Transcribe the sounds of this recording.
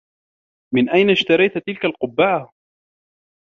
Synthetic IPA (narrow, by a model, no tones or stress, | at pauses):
mɪnʔajnaʃt̪ɑɾˤɑjt̪t̪ɪlkalqʊbːaʕa